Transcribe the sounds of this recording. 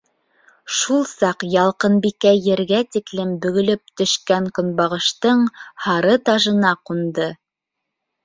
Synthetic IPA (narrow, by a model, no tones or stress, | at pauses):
ʃulˠsɑqjɑlˠqɤnbikæjɘ̆ɾɡæt̪iklɘmbɵ̆ɡɵ̆lɵp̚t̪ɵ̆ʃkæŋkŏnbɑʁɤ̆ʃt̪ɤɴhɑɾɤt̪ɑʒɤ̆nɑqund̪ɤ